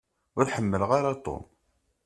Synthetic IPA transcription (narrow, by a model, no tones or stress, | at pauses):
ʊɾħəmːəlʁaɾat̪ˤo̰m